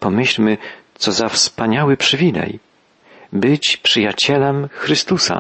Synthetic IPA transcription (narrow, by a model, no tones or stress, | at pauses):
pɔmɘɕlmɘt̪sɔzafspaɲawɘpʂɘvʲilɛ̰j | bɘt͡ɕpʂɘjat͡ɕɛlɛmxɾɘst̪usa̰